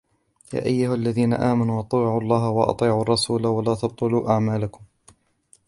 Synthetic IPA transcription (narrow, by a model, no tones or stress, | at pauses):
ja̰ːʔajːʊhalːaðiːna̰ʔaːmanuːʔɑt̪ˤiːʕuɑlˤːɑːɦawɑʔɑ̰t̪ˤiːʕuːɑrˤːɑsuːlawalaːt̪ɑb̚t̪ˤʊluːʔaʕmaːlakʊm